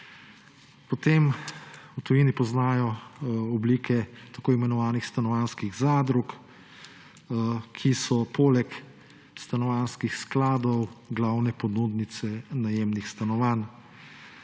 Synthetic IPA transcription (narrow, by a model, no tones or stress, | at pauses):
pɔt̪emwt̪ɔjinipɔznaːjɔɔbliːkʰɛt̪akoːimɛnɔʋaːnixst̪anɔʋanskiɣzaːd̪ɾuk | kʰisɔpoːlɛk | st̪anɔʋanskixsklaːd̪ɔwɡlawnɛpɔd̪ud̪nit̪sɛnajeːmnixst̪anɔʋan